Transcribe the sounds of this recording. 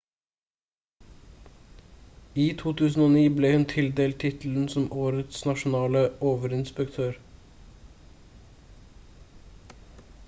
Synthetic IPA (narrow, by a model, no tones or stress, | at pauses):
iːt̪ʰuːt̪ʰʉːsn̩oːniːbleːhʉnt̪ʰɪld̪eːlt̪ʰɪt̪l̩n̩sɔmʔoːɾət̪snɑʃʊn̩ɑːləoːʋəɾɪnspəkt̪ʰøːɾ